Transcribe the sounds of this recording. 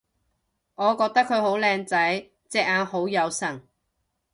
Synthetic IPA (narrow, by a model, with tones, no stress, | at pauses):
ŋɔː˨˧kɔː˧k̚t̪ɐ˥kʰːɵ˨˧ɥho˨˥wlɛː˧ŋt͡sɐ˨˥j | t͡sɛː˧k̚aː˧nho˨˥wjɐ˨˧wsɐ˨˩ŋ